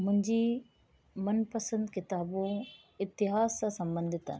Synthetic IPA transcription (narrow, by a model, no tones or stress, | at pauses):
mʊ̃ɦɪ̃ɲd͡ʑi | mɐnpəsə̃nd̪kɪt̪aːbõ | ɪt̪ːɪɦaːzsãsɐ̃mbə̃nd̪ʱɪt̪ə̰n